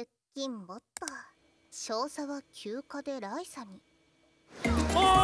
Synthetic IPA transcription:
ɯkʲːĩmbo̞t̪ːoa | ɕo̞ːsaβakʲʰɨːkad̪e̞ɾaisaɲ̟i

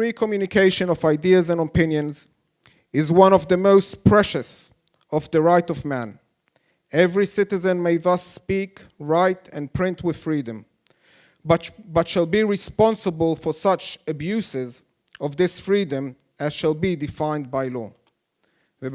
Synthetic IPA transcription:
ɹikʰəmjʉnɨkʰeɪʃɨ̃nɔvaɪdiɨzə̃nəpɪ̃njɨ̃nz | ɪzwʌ̃nɔvðəmoʊstpʰɹ̥ɛʃɨs | ɔvðɨɹaɪtɔvmæ̃n | ɛvɹisɪɾɨzɨ̃nmeɪðʌsːpikɹaɪtɨ̃npʰɹ̥ɪ̃ntʰwɨð̥fɹidɨ̃m | bʌtʃəlˠbiɹɨspɑ̃nsəbəlˠfə˞sʌt͡ʃɨbjʉsɪz | ɔvðɪsfɹidɨ̃m | ɨz̥ʃəlˠbidɨfãɪ̃nd̚baɪlɔ̰ | ðɨ

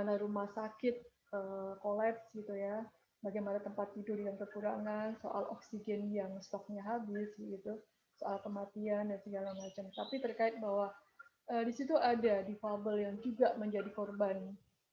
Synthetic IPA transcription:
anaɾumahsakɪt̪̚ | ʔəkolɛpsɡit̪uja | baɡajmanat̪əmpat̪̚ːidʊdiɡankəkuɾaŋanso̰ʔa̰lʔɔ̰ksid͡ʒɛnjaŋst̪ɔk̚ɲaɦabɪsɡit̪u | soʔalkəmat̪iandansəɡalamat͡ʃamt̪apit̪ərkaɪt̪̚bawa | əːdisit̪uʔadadifabəljaŋd͡ʒuɡaməɲd͡ʒadikɔrban

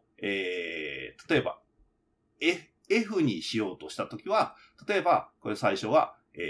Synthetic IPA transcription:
eːt̪ḁt̪o̞e̞ba̰ | e | e̞ɸɯ̟ɲ̟iɕijo̞ːt̪o̞ɕi̥t̪at̪o̞kʲiβa | t̪ḁt̪o̞e̞bako̞ɾesaiɕo̞βa̰ | eː

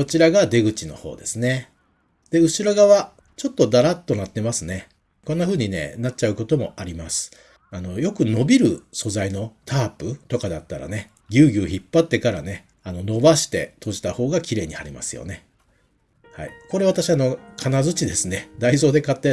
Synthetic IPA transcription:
ko̞t͡ɕiɾaɡad̪e̞ɡɯ̟t͡ɕino̞̰ho̞̰ːd̪e̞sɨne̞ | d̪̥e̞ɯ̟ɕiɾo̞ɡaβa | t͡ɕo̞t̪ːo̞d̪aɾat̪ːo̞nat̪ːe̞masɨne̞ | ko̞nːaɸɯ̟ːɲ̟ine̞̰natt͡ɕaɯ̟ko̞t̪o̞mo̞̰ʔaɾʲimasɨ̥ | ano̞jo̞kɯ̟no̞bʲiɾɯ̟so̞zaino̞t̪ʰaːpɯ̟t̪o̞kad̪at̪ːaɾa̰ne̞ | ɡʲɨːɡʲɨːçipːat̪ːe̞kaɾane̞ | ano̞no̞baɕi̥t̪e̞̰t̪ʰo̞ʑi̥t̪aho̞ːɡakʲiɾe̞ːɲ̟ihaɾʲima̰sɨjo̞̰ne̞ | ha̰iko̞ɾe̞β̞at̪aɕiano̞kʰanazɨt͡ɕid̪e̞sɨne̞d̪aizo̞ːd̪e̞kat̪ːe̞

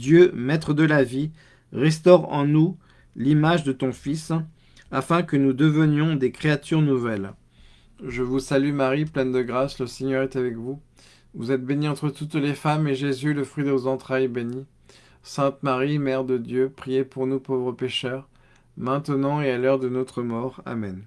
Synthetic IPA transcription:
d̪jømɛt̪χəd̪əlavi | ʁɛs̬t̪ɔʁɑ̰̃nu | limaʒd̪ət̪ɔ̃fis | afɛ̃kənud̪əvənjɔ̃d̪ekχeat̪yʁnuvɛl | ʒəvusalymaʁiplɛnd̪əɡʁasləseɲœʁɛt̪avɛkvu | vuzɛt̪̚beniɑ̃t̪χət̪ut̪lefameʒezyləfχɥid̪əvozɑ̃t̪χajɛbeni | sɛ̃t̪maʁimɛʁd̪əd̪jøpχijepuʁnupovʁəpeʃœʁ | mɛ̃t̪ənɑ̃ealœʁd̪ənɔt̪χəmɔʁa̰mɛn

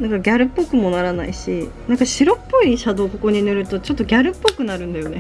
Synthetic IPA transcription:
nãŋkaɡʲaɾɯ̟pːo̞kɯ̟mo̞naɾana̰iɕinãŋkaɕiɾo̞pːo̞iɕad̪o̞ːko̞ko̞ɲ̟inɯ̟ɾɯ̟t̪o̞t͡ɕo̞t̪ːo̞ɡʲaɾɯ̟pːokɯ̟naɾɯ̟̃nd̪ajo̞ne̞

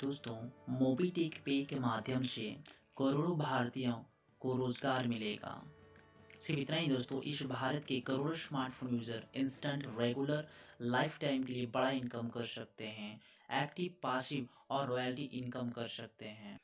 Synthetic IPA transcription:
d̪̥oːst̪õːmoːbiːʈeːkpeːkemaːd̪ʱjəmsekɐɾoːɽobʱaːɾt̪ijõ | koɾoːzɡaːɾmɪlḛːɡa̰ː | sɪbɪt̪naɦĩd̪oːst̪õːʔɪsbʱaːɾət̪kekɐɾoːɽosmaːɾʈfʰoːnjuːd͡ʒəɾɪ̃nsʈə̃ɳʈɾeːɡuləɾlaːɪpʰʈaːɪmkeliebɐɽaɪ̃nkəmkɐɾsɐk̚t̪eɦɛ̃ | ɛːk̚ʈɪʋpaːsɪʋ | ɔːɾːɔːjəːlʈiʔɪ̃nkəmkɐɾsɐk̚t̪eɦɛ̃ː

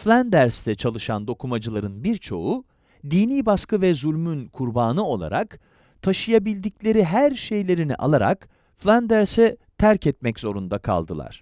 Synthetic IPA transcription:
flʲand̪æɾst̪ʰɛt͡ʃʰalˠɯʃand̪o̞kʰumad͡ʒɯlˠaɾɯnbiɾt͡ʃʰo̞u | d̪iːniːbaskɯvɛzulʲmynkʰuɾbaːnɯo̞lˠa̰ɾa̰k | t̪ʰaʃɯjabilʲd̪iclʲe̞ɾiɦæɾʃe̞jlʲe̞ɾinḭʔa̰lˠaɾa̰k | flʲand̪æɾsɛt̪ʰæɾcɛt̪̚mɛczo̞ɾund̪akʰa̰lˠd̪ɯlˠa̰ɾ̝̥

